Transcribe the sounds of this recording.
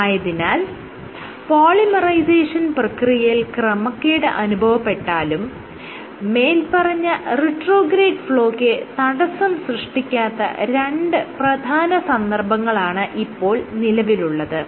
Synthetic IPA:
aːjɐðinaːl | poːɭimɐrɐjseːʂɐnprɐkrijɐjilkrɐmɐkːeːɽɨʔɐnubʱɐʋɐpːe̞ʈːaːlumː | eːlpɐrɐɲːɐriʈroːɡɾeːɖfɭo̞ːkːɨt̪ɐɽɐsɐmsrɨʂʈikʲːaːt̪ːɐ̰ɾeɳɖɨprɐd̪ʱaːnɐsɐnd̪ɐrbʱɐŋːɐɭaːɳɨʔipːo̞ːɭnilɐʋiluɭːɐðɨ

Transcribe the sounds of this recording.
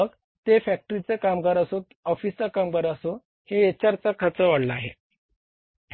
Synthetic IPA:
əɡ | t̪efæk̚ʈɾit͡sekamɡəɾəso | ɔfist͡sakamɡəɾəso | hejet͡ɕaɾt͡sakʰət͡səʋaɽləaɦḛ

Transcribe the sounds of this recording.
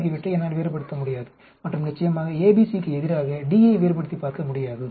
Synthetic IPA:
k̬ːiʋɪʈːɯɛnːaːɽʋeːɾpɐɽɯt̪ːɐmʊɽɪjaːðɯ | mɐʈrɯmnɪt͡ʃːɐjɐmaːɣɐeːbiːsikːɯɛðɪɾaːɣɐɖiɐɪʋeːɾp̬ɐɽɯt̪ːipaːɾkɐmʊɽɪjaːðɯ

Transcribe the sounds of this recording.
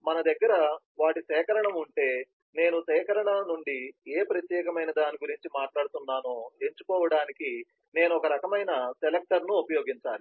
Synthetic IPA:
mɐnɐd̪ɐɡːɐɾɐ | ʋaːʈisɛːkɐɾɐɳɐmuɳʈe̞ː | ne̞ːnusɛːkɐɾɐɳɐnuɳɖieːpɾɐt̪jɛːkɐmɐjnɐd̪aːniɡuɾiɲt͡ʃimaːʈlaːɽut̪unːaːnoːe̞ɲt͡ʃukɔːʋɐɽaːniki | ne̞ːnuɔkɐɾɐkɐmɐjnɐselek̚ʈɐɾnuːpɐjo̞ːɡiɲt͡ʃaːli

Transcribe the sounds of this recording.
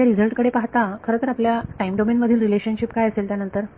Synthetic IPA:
aɾizəlʈkəɽepaɦt̪akʰəɾəːt̪əɾapljaʈaimɖomenməd̪ʱiːnɾileɕənɕipkajəselt̪janənt̪əɾ

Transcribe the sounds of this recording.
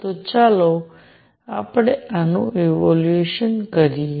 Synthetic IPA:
t̪ot͡ʃalo | apɽ̃eanṵ̃eʋolueʃənkəɾi

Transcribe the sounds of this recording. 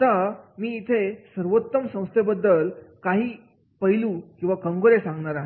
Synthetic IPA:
t̪amiːt̪ʰesəɾʋot̪ːəmsə̃w̃st̪ʰebəd̪ːəlkaɦiː | pəɦjlũkĩw̃ʋakəŋɡoɾesãŋɡɳaɾaɦ

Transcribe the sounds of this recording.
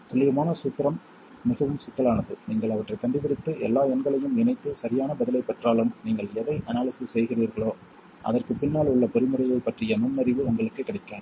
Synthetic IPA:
t̪ʊlɪjɐmaːnɐsuːt̪ːɪɾɐmː | ɪɣɐʋɯmsʊt̪ːɐlaːnɐðɯniːŋɡɐɭɐʋɐʈrɐɪkːɐɳɖɯpɪɽɪt̪ːɯʔɛ̰lːaːɛnɡɐɭɐjɯmɪnɐɪt̪ːɯsɐɾɪjaːnɐbɐðɪlɐɪpːɐʈraːlɯmniːŋɡɐɭɛðɐɪʔɐnaːɭɪsɯsɛjɣɪriːɾɣɐɭoː | ʔɐ̰ðɐrkɯpɪnːaːlʊɭːɐpɔɾɪmɯrɐɪjɐɪpːɐʈrɪjɐnʊnːɐɾɪʋɯʊŋɡɐɭɯkːɯkːɪɽɪkːaːɾ

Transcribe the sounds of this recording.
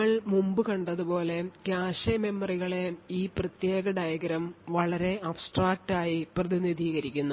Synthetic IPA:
ɐɭmumbɨkɐɳɖɐðupo̞ːle̞kjaːʂɐmemːɐriɣɐɭeiːprɐt̪jeːɡɐɖɐjɐɡɐɾɐmʋɐɭɐɾe̞ɐbsʈraːk̚ʈaːjiprɐðiniðʱiːɣɐɾikʲːunːu

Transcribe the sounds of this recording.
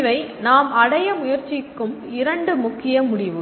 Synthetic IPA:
ʋɐɪnaːmɐɽɐjɐmʊjɐɾt͡ʃɪkːɯm | ɪɾɐɳɖɯmʊkːɪjɐmʊɽɪʋɯ

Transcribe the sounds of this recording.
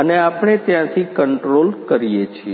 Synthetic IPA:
əneapɽ̃et̪jãt̪ʰikəɳʈɾolkəɾijet͡ʃʰie

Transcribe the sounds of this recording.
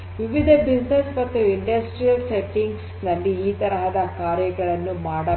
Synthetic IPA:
ʋiʋid̪ʱɐbid͡ʒnesmɐt̪ːuiɳɖɐsʈɾijɐlseʈːiŋɡs | nɐlːiːt̪ɐɾɐɦɐd̪ɐkaːɾjɐɡɐɭɐnːumaːɽɐ

